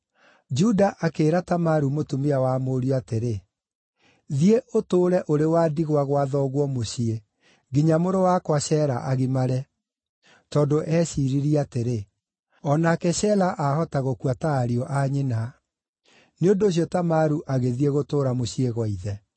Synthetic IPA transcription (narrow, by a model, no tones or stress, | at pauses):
d͡ʒudaʔakeːɾatamaɾumotumeawamoːɾiɔateɾe | ðieʔotoːɾɛʔoɾewaːdiɣwaɣwaðɔɣwɔmoɕie | ɡiɲamoɾowakwaɕɛɾaʔaɣimaɾɛ | tɔndoʔɛːɕiɾiɾiateɾe | ɔnakɛɕɛlaʔahɔtaɣokuataːɾiɔʔaɲena | neondoːɕ̬jɔtamaɾuʔaɣeðieɣotoːɾamoɕieɣwaiðɛ